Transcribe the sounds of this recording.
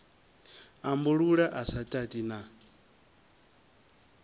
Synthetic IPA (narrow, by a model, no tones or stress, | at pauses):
ambuɺuɺaʔasatʼatʼina